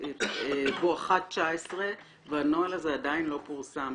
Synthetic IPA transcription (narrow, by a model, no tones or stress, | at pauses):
eboaχat̚t͡ʃaesʁe | veanoalazeadainlo̞puʁsam